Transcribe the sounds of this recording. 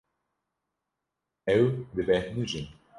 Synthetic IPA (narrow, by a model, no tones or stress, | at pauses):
ɛwd̪ɨvɛnuʒin